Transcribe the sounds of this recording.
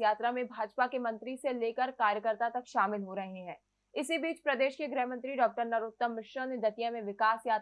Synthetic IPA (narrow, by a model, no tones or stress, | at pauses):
jaːt̪ɾamẽbʱaːd͡ʒpakemɐ̃nt̪ɾiseleːkəɾkaːɾjəkəɾt̪at̪ɐkʃaːmɪlɦoɾɐɦeɦɛ̃ː | ɪsibiːt͡ʃpɾɐd̪eːʃkeɡɾɛɦmə̃nt̪ɾiɖɔːk̚ʈəɾnɐɾʊt̪ːəmːɪʃɾəned̪ɐt̪ijamẽʋɪkaːsjaːt̪